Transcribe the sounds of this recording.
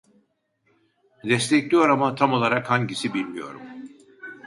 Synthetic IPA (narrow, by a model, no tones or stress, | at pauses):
d̪ɛst̪ʰɛclʲijo̞ɾamat̪ʰamo̞lˠaɾakhaɲɟisibilʲmijo̞̰ɾṵm